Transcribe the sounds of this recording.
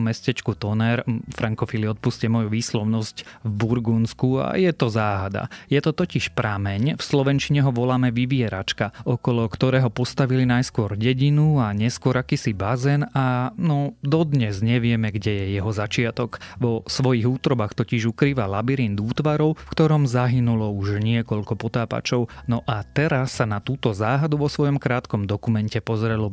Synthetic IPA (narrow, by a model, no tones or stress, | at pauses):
mɛscɛt͡ʃkut̪ɔnɛɾfɾaŋkɔfiliɔt̪̚puscɛmɔjuʋiːslɔʊnɔscvbuɾɡunskua̰jɛt̪ɔzaːɦad̪a̰jɛt̪ɔt̪ɔciʃpɾamɛɲfslɔʋɛnt͡ʃiɲɛɦɔʋɔlaːmɛʋiʋɪɛɾa̰t͡ʃkaɔkɔlɔkt̪ɔɾɛːɦɔpɔst̪aʋilinajskʊɔɾɟɛɟinuaɲɛskʊɔɾakiːsibazɛnanɔd̪ɔd̪ɲɛzɲɛʋɪɛmɛɡɟɛjɛjɛɦɔzat͡ʃɪat̪ɔɡʋɔsʋɔjiɣuːt̪ɾɔbaxt̪ɔciʒukɾiːʋalabiɾind̪uːt̪ʋaɾɔʊfkt̪ɔɾɔmzaɦinulɔuʒɲɪɛkɔʎkɔpɔt̪aːpa̰t͡ʃɔʊnɔʔat̪ɛɾasːanat̪uːt̪ɔzaːɦad̪uʋɔsʋɔjɔmkɾaːt̪kɔmd̪ɔkumɛncɛpɔzɾɛlɔ